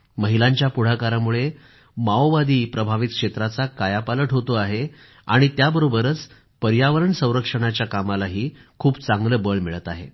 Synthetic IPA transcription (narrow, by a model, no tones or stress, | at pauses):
məɦilaɲt͡ɕjapuɽ̤akaɾamuɭe | maoʋad̪iːpɾəbʱaʋit̪̚kʂet̪ɾat͡sakajapaləʈɦot̪oaɦe | a̰ɽ̃it̪jabəɾobəɾət͡s | pəɾjaʋəɾəɳsə̃w̃ɾəkʂəɽ̃at͡ɕjakamalaɦiːkʰuːbt͡saŋɡləbəɭmiɭət̪aɦḛ